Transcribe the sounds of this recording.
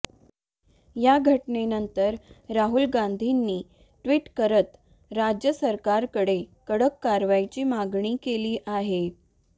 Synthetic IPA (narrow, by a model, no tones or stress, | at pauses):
jaɡʱəʈnenənt̪əɾɾaɦulɡand̪ʱinːiː | ʈʋiːʈkəɾət̪ | ɾad͡ʑjəsəɾkaɾkəɽekəɽəkːaɾʋajt͡ɕiːmaɡɳiːkeliːʔaɦe